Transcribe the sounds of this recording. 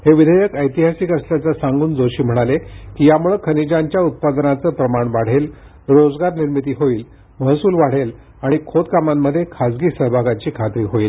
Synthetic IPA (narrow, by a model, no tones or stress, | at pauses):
heʋid̪ʱəjəkəjt̪iɦasiːkəsljat͡sasaŋɡuːnd͡zoɕiːm̤əɽ̃alekiːjamuɭəkʰənid͡ʑaɲt͡ɕjaut̪̚pad̪nat͡səːpɾəmaɳʋaɽ̤el | ɾod͡zɡaɾniɾmit̪̬iːɦoiːl | məɦsuːlʋaɽ̤el | aɽ̃ikʰot̪kamamːəd̪ʱːjekʰad͡zɡiːsəɦbʱaɡat͡ɕiːkʰat̪ɾiːɦoiːl